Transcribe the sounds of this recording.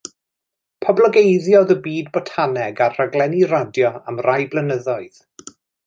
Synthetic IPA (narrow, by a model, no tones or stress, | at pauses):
pʰɔblˠəɡejðjɔðəbiːdbɔtʰanɛɡarrəɡlɛniɾadjɔamrajblˠənəðɔɨð̥